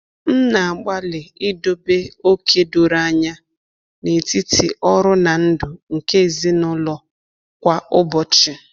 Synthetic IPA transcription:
n̩˦na˨a˨ɡ͡ba˦lɪ˨ɪ˦do˦be˦o˦kʰe˦du˨ɾa˦ɲa˦ | ne˨ti˦tʰi˨ʔɔ˦ɾʊ˦na˨n̩˦dʊ˨ŋ̩˨ke˦˨zi˦nʊ˦lɔ˦ | kʷa˦ʊ˦bɔ˨t͡ʃɪ˨

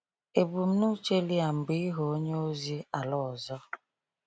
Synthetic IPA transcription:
e˨bu˨m̩˦nu˦t͡ʃe˦li˦a˨m̩˨bi˦ɦo˨o˦ɲe˦o˦zi˦a˨lɔ˦˨ɔ˨zɔ˦

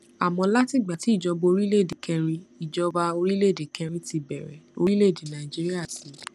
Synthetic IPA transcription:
a˨mɔ̃˧la˦ti˦˨ɡ͡ba˨ti˨˦i˦˨d͡ʒɔ˧bo˧o˧ɾi˦le˦˨de˨kʰɛ̃˧ɾ̃ĩ˧i˨d͡ʒɔ˧ba˧o˧ɾi˦le˦˨de˨kɛ̃˧ɾĩ˧ti˧bɛ˨ɾɛ̰˨o̰˧ɾi˦le˦˨de˨nã˨i˨d͡ʒi˦ɾi˦a˦˨si˨˦

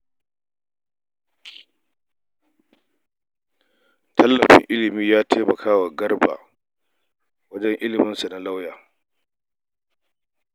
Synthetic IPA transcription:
tʰɐ˦lːɐ˨ɸɪ̰˦ŋʔɪ˦lɪ˨miː˦jaː˦tʰeː˦mɐ˨kʰaː˦wa˨ɡɐ˦rba̰˨ | wɐ˦d͡ʒɛ˦ŋʔɪ˦lɪ˨mɪ˦nsa˨na˦la˦wjaː˨

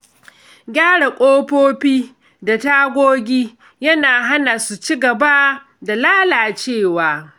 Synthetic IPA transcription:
ɡʲaː˦ɽa˨kʷʼoː˦ɸoː˦ɸiː˦ | da˨taː˦ɡʷoː˦ɡʲiː˦ | jɐ˦naː˨ɦa˦na˨su˨t͡ʃi˦ɡɐ˨ba˦ | da˨laː˦laː˨t͡ʃeː˦˨waː˨˦

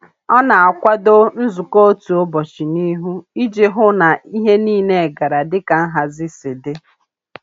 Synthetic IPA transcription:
ɔ˦na˨a˨kʷa˦do˦n̩˦zu˨ko˦o˦tu˨o˦bɔ˨t͡ʃi˨ni˦ɦu˦i˦d͡ʒe˦ɦʊ˦na˨i˦ɦe˦niː˦ne˦˨ɡa˨ɾa˨dɪ˦ka˨˦ɦa˨zɪ˦sɪ˨de˦

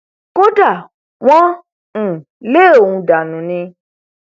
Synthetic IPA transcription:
ko˦da˦˨ | wɔ̃˦˨ | le˦˨o˨hũ˧da˨nũ˨nĩ˧

